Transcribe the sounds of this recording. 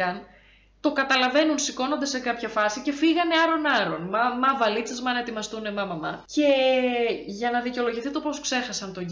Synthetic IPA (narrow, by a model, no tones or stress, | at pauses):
ɐn | t̪o̞kɐt̪ɐlɐve̞nunsiko̞no̞nd̪e̞se̞kɐpçɐfɐsice̞fiɣɐneɐɾo̞nɐɾo̞nmɐmɐvɐlit͡sezmɐnɐe̞t̪imɐst̪unemɐmɐmɐce̞ | ʝɐnɐðiceo̞lo̞ʝiθit̪o̞po̞skse̞xɐsɐnt̪o̞